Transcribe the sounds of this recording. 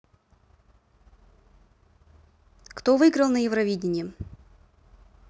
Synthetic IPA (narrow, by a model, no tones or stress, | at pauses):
kt̪ovɨɡɾəlˠnəjɪvɾɐvʲidʲɪnʲɪjə